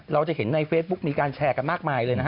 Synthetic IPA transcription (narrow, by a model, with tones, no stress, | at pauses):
ɾa˧wt͡ɕa˨˩he˩˦nːa˧jfeː˦˥t̪̚bu˦˥k̚miː˧kaː˧nt͡ɕʰɛː˧ka˧nmaː˥˩k̚maː˧jlɤː˧jna˦˥kʰ